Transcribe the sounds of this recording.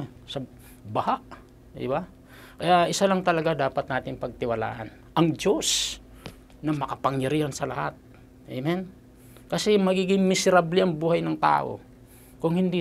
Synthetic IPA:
sɐ | bɐhaʔ | d̪ɪ̰ba | kɐjaʔɪsalɐŋt̪ɐlɐɡad̪aːpɐt̪̚naːt̪ɪŋpɐɡ̚t̪ɪwɐla̰ːʔɐn | ʔɐŋd͡ʒo̞s | nɐmɐkɐpɐŋjɐɾiːhansɐlɐ̰hat̪̚ | ɛ̰mɛn | kɐsɛmɐɡiːɡɪŋmɪsɛɾablɛʔɐŋbuːhɐjnɐŋt̪a̰ːʔo̞̰ | kʊŋhɪnd̪i

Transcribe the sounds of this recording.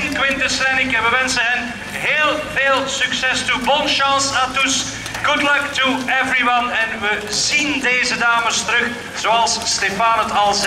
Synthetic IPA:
nkwɪntəsɾɛnɪkɛbəʋɛnsəɦɛn | ɦeːlˠveːlˠsyksɛstubɔnʃɑ̃satus | ɡ̥ʊdlʌktuɛvɹiwʌnɛnʋəzindeːzədaːməstəɾɵx | z̥oɑlˠsːtefaːnɦətɑlˠz

